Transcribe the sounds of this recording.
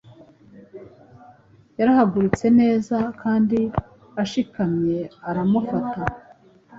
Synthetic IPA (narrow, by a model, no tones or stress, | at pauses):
jaɾahaɡuɾit͡se̞ne̞ːzakʰaːndi | aʃikamɲe̞aɾamufata